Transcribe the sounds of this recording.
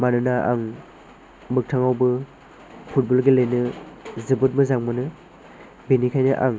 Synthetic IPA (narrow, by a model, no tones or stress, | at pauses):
manɯnaʔaŋ | mɯk̚tʰaŋawbɯ | pʰut̚bɔlɡelɯjnɯzɯbɯt̚mɯzaŋmɯnɯ | benikʰajnɯʔa̰ŋ